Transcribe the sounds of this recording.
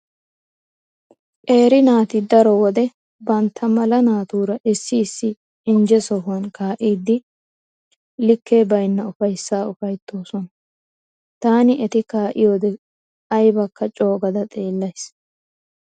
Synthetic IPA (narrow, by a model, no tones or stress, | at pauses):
ʔe̞ːɾɪnaːt̪ɪd̪ɐɾɔwɔd̪ɛ | bɐnt̪ʰːɐmɐlɐnaːt̪uːɾɐʔɪsːɪːsːɪ | ɪnd͡ʒɛsɔɦʊɐnkaːʔiːd̪ːɪ | lɪkʰːeːbɐjnːɐʊfɐjsːaːʊfɐjt̪ːoːsɔnɐ | t̪aːnɪɛt̪ɪkaːʔɪ̰jo̞ːd̪ɛ | ɐjbɐkːɐt͡ʃʼo̞ːɡɐd̪ɐt̪ʼe̞ːlːɐjs